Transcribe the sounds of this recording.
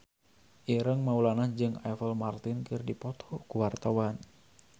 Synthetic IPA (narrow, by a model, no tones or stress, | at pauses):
ʔiɾəŋmaulanad͡ʒɨŋa̰fəlmart̪ɪnkɨrdipɔt̪ʰɔkuwart̪awan